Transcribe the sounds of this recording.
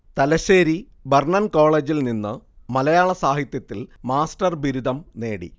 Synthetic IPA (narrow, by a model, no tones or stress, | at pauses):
t̪ɐlɐɕeːɾi | bɐrɳɐnko̞ːɭeːd͡ʑilninːɨmɐlɐjaːɭɐsaːhit̪jɐt̪ːilmaːsʈɐrbiɾud̪ʱɐmne̞ːɽḭ